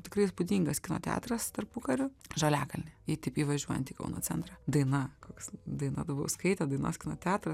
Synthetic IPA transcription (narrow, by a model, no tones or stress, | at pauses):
t̪ʲɪkɾɐɪɪspʊd̪ʲiŋɡɐskʲɪno̰ːt̪ʲæ̰ːt̪ɾɐst̪ɐrpʊkɐɾʲʊʒɐlʲæːkɐlʲnʲɪit̪ʲɛɪpiːʋɐʒʲuɔjɛ̰nt̪ʲiːkɐ̰ʊno̰ːt͡s̪ʲɛnt̪ɾɑːd̪ɐɪnɐkoːkʲsd̪ɐɪnɐ̰d̪ɐbɐʊskɐɪt̪ʲɛd̪ɐɪno̰ːskʲɪno̰ːt̪ʲæːt̪ɾɐ